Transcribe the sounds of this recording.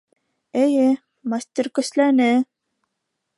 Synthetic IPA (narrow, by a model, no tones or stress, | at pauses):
ɘ̆jɘ | masʲt̪ʲiɾkɵ̆slænɘ